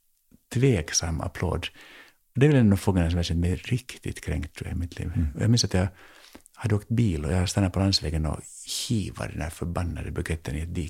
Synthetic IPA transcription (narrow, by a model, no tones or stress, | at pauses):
t̪ʰveːksamːa̰pʰlo̰ːd̪ | ɔd̪ɛvɛlɛnd̪ɔfoːɡənas̬ɔmvæsɛnt̪mɛɾɪkt̪ɪt̪kʰɾɛŋkt̪ʰːɾʉ̰ːa̰ɪmɪt̪ʰlḭːvɔjɑ̰ːɡmɪnsat̪jɑ | had̪ːəoːkt̪biːlɔjɑst̪anːaɾpʰɔlansvɛːɡənɔ̰çiːva̰ɖɛnhæːɾfœɾbanːa̰d̪əbʉɡɛt̪ʰːənɪɛt̪̚d̪iː